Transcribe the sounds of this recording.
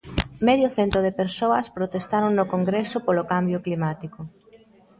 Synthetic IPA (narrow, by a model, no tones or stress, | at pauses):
meðjoθent̪oð̞epeɾsoɐspɾot̪est̪aɾoŋnokoŋɡɾesopolokambjʊklimat̪iko